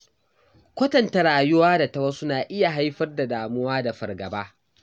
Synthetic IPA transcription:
kʷɐ˦tɐ˨ntɐ˨ɽaː˨jʊ˦waː˦da˨tɐ˦wɐ˦sʊ˦naː˨ʔɪ˦ja˨ɦa˦jɸɐ˦rda˨daː˨mʊ˦waː˦da˨ɸɐ̰˨rɡɐ̰˨baː˦

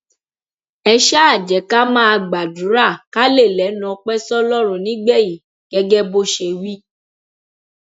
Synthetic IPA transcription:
ɛ˧ʃa˦a˦˨d͡ʒɛ˨˦ka˦mãː˦˧ɡ͡ba˨du˨˦ɾa˦˨ka˦le˦˨lɛ˨˦nɔ̃˧˦k͡pɛ˦sɔ˦lɔ˦ɾ̃ũ˨nĩ˨˦ɡ͡bɛ˦˨ji˨ | ɡ̥ɛ˦ɡɛ˦bo˦ʃe˧wi˦

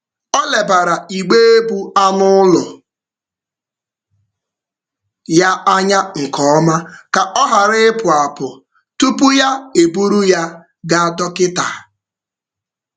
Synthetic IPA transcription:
ɔ˦le˨ba˨ɾa˨i˨ɡ͡be˦e˦bu˦a˦nʊ˦lʊ˨ | ja˦a˦ɲa˦ŋ̩˨kɔ˨˦ma˦ka˨ʔɔ˦ɦa˨ɾɪ˦ɪ˦pʊ˨a˨pʊ˨ | tu˦pu˦ja˦e˨bu˦ɾu˦ja˦ | ɡa˨a˨dɔ˦kɪ˦ta˨

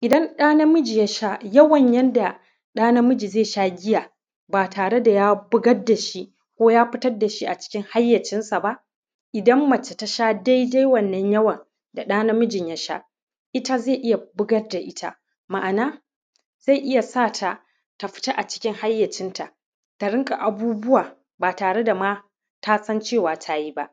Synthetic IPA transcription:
ʔɪ˨dɐ˦nɗaː˦nɐ˦mʊ˦d͡ʒi˨ja˦ʃa˦jɐ˦wɐ˨ɲjɛ˦nda˨ | ɗaː˦nɐ˦mʊ˦d͡ʒi˨zeː˦˨ʃaː˦ɡʲɪ˦jaː˨ | baː˨tʰaː˨ɽe˦da˨jaː˦bʊ˦ɡɐ˦rda˨ʃi˦ | kʷoː˦jaː˦ɸɪ˦tɐ˦rda˨ʃi˦ʔa˨t͡ʃɪ̥˦kʲɪ˦ŋha˦jːɐ˨t͡ʃɪ˦nsa˨ba˦ʔ | ʔɪ˨dɐ˦mːɐ˨t͡ʃe˨ta˦ʃaː˦da˦jda˦jwɐ˨nːɐ˦ɲjɐ˦wɐ˨n | da˨ɗaː˦na˦mʊ˦d͡ʒɪ˨ɲja˦ʃa̰ː˦ | ʔɪ˦ta˦ze˦˨ʔɪ˦ja˨bʊ˦ɡɐ˦rda˨ʔɪ˦tʰa̰˦ | ma˨ʔa˨naː˦ | z̥a˦˨ʔɪ˦ja˨saː˦˨tʰa˨ | ta˨ɸɪ̥˦ta˦ʔa˨t͡ʃɪ˦kʲɪ˦ŋha˦jːɐ˨t͡ʃɪ˦nta˨ʔ | ta˨ɽɪ˦ŋkʼa˨ʔa˨buː˦bʊ˦waː˨ | baː˨taː˨ɽe˦da˨maː˦ | tʰa˦sɐ˦nt͡ʃeː˦˨waː˨tʰa˦ji˦ba˦ʔ

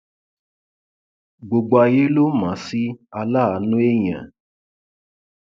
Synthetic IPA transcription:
ɡ͡bo˨ɡ͡bo˨a˧je˦lo˦mã˨˦si˦a˧la˦a˨˦nũ˦e˦j̃ã̰˨

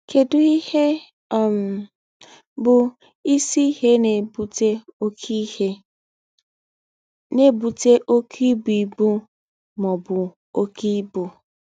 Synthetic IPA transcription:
ke˨dʊ˦i˦he˦˨ | m˨ | bʊ˨ | i˦si˦he˦ne˨bu˦te˦o˦ki˦e˦ | ne˦bu˨te˦ʔo˦kʰi˦bi˨bu˦ | mɔ˨bʊ˨ | o˦ki˦bu˨

